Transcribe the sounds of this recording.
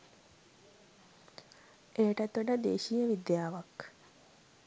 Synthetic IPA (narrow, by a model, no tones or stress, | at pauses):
ʔeːʈət̪uɖəd̪ḛːʃijəʋid̪jaːʋak